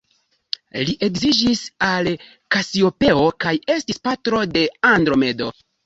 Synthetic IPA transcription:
liʔe̞kzid͡ʒisal | kasio̞pe̞o̞kaje̞stispatɾo̞de̞andɾo̞me̞do̞

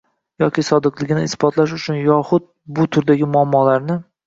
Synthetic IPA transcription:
jɒkʲisɒd̪ɨqlˠɪɡʲnɪːsbɒt̪ʰlaʃ̬ʊt͡ʃʰʊnjɒχʊd̪̚ | bʊt̪ʰʊɾd̪aɡʲɪmʊamːɒlaɾnɪ

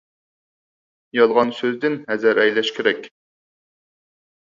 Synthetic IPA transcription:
jɑlˠʁɑnsøzd̪ɪnɦɛzæɾɛjlɛʃkʲʰeɾɛkʲ

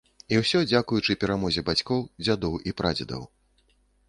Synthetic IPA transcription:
iwsʲɔd͡zʲakujut͡ʂɨpʲɛɾamɔzʲɛbat͡sʲkɔwd͡zʲad̪ɔwipɾʔa̰d͡zʲɐd̪ɐ̰w

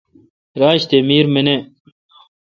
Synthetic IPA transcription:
ɾaːɕt̪emiːɾmine

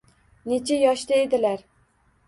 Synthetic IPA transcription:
net͡ʃʰajɒʃt̪aed̪ɪlaɾ

